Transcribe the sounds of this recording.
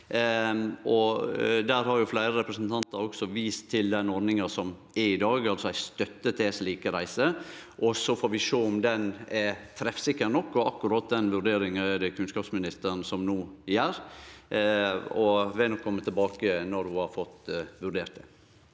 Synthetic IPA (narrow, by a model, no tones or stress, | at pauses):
ɔd̪æɾhɑɾjʊflæɪɾəɾɛpɾəsənt̪ʰɑnt̪əɾɔksɔʋiːst̪ʰːɪld̪ɛnɔɾɖnɪŋɑsɔm | ɛɾɪd̪ɑːɡɑlsɔæɪst̪œt̪ːət̪ʰɛsliːkəɾæɪsəʔɔsɔfoːɾʋɪʃøːʊmd̪ɛnɛt̪ʰɾɛfsɪkːəɾnɔkːɔʔɑkːʉɾɑt̪̚d̪ɛnʋʉɾɖ̪eːɾɪŋəɛd̪ɛkʰʉnskɑːpsmɪnɪst̪əɾnsɔmnuːɪjæːɾ | ɔʋɛnɔkʰːɔmːət̪ʰɛlbɑːkənɔɾhʊhɑɾfɔt̪ːʋʉɾɖeːɾt̪̚d̪ɛ̰